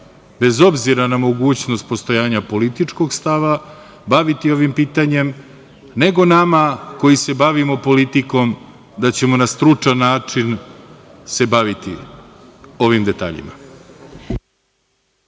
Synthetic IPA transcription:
be̞zo̞bziɾanamo̞ɡuːt͡ɕno̞st̪̚po̞st̪o̞jaːɲapo̞lit̪it͡ʂko̞ɡst̪aʋa | baʋit̪io̞ʋimpiːt̪aɲe̞m | ne̞ɡo̞namako̞jise̞baʋimo̞po̞lit̪iko̞m | d̪at͡ɕe̞mo̞nast̪ɾut͡ʂanːaːt͡ʂin | se̞baʋit̪ḭ | o̞ʋimd̪e̞t̪a̰ːʎḭma̰

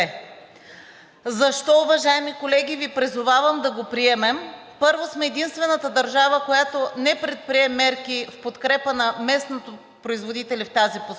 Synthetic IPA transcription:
zɐʃt̪ɔʊvɐʒaɛmikolɛɡ̟ʲivipɾizʊvavəmd̪ɐɡopɾiɛmɛm | pɤɾvosmɛːd̪inst̪vɛnət̪əd̪ɐɾʒavəkojat̪onɛpɾɛt̪̚pɾiɛmɛɾk̟ifpot̪kɾɛpənɐmɛsnot̪o | pɾoizvod̪it̪ɛlʲɛft̪azipo

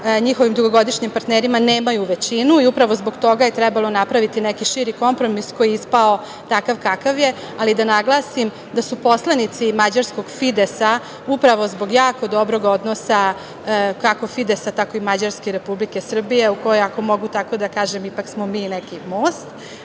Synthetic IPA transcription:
ɲixoʋimd̪uɡo̞ɡo̞d̪iʃɲimpaɾt̪neɾimaneːmajuʋet͡ɕinuiupɾaʋo̞zboɡt̪o̞ɡajet̪ɾɛbalˠo̞napɾaʋit̪inɛkiʃiɾiko̞mpɾo̞misko̞jiispao | t̪akaʋkakaʋje̞ | alid̪anaɡlˠasim | d̪asupo̞slanit̪simad͡ʑaɾsko̞ɡfid̪esa | upɾaʋo̞zbo̞ɡjaːko̞d̪o̞bɾo̞ɡo̞d̪nosa | kako̞fid̪esat̪ako̞imad͡ʑaɾskeɾe̞publike̞sr̩bije̞uko̞joako̞mo̞ɡut̪ako̞d̪akaːʒemipaksmomiːnekimo̞ːst̪

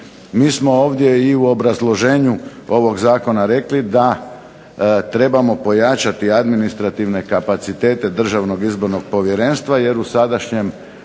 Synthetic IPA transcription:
miːsmo̞o̞ːʋd̪je̞iuo̞bɾazlˠo̞ʒe̞ːɲuo̞ʋo̞ɡzaːko̞naɾe̞klid̪a | t̪ɾe̞bamo̞po̞jat͡ʃat̪iad̪minist̪ɾat̪iʋne̞kapat̪sit̪e̞ːt̪e̞d̪r̩ʒaʋno̞ɡizbo̞ɾno̞ɡ̚po̞ʋje̞ɾe̞nst̪ʋaje̞ɾusad̪aʃɲe̞m

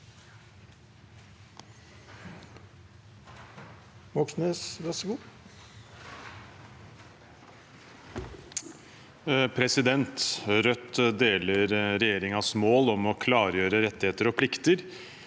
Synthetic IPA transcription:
ʋɔksnəsɾɑsɡuː | pʰɾɛsɪd̪ɛnt̪ɾœt̪ːd̪eːləɾɾɛjeːɾɪŋɑsmoːlɔmɔkʰlɑːɾjøːɾəɾɛt̪ːɪheːt̪əɾɔpʰlɪkt̪əɾ

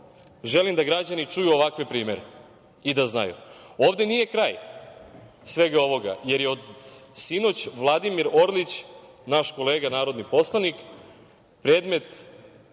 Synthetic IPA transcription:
ʒe̞limd̪aɡɾad͡ʑanit͡ʂujuo̞ʋakʋepɾiːmeɾe | id̪azna̰jṵo̞ːʋd̪e̞nije̞kɾaːj | sʋe̞ɡao̞ʋo̞ɡa̰je̞ɾjeod̪sino̞t͡ɕʋlˠad̪imiɾo̞ɾlit͡ɕ | naʃko̞le̞ːɡanaːɾo̞d̪nipo̞slˠanik | pɾe̞ːd̪me̞t̪

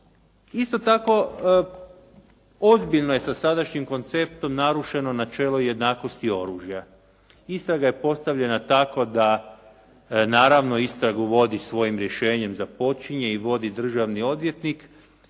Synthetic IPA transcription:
ist̪o̞t̪ako̞ | o̞zbiʎno̞je̞sasad̪aʃɲimko̞nt̪se̞p̚t̪o̞mnaɾuʃe̞no̞nat͡ʃe̞lˠoje̞d̪naːko̞st̪io̞ɾuːʒja | ist̪ɾaɡaje̞po̞st̪aʋʎe̞nat̪akod̪a | naːɾaʋno̞ist̪ɾaɡuʋo̞d̪isʋo̞jimɾje̞ʃe̞ːɲe̞mzapo̞t͡ʃiɲe̞iʋo̞d̪id̪r̩ʒaʋnio̞d̪ʋje̞t̪nik

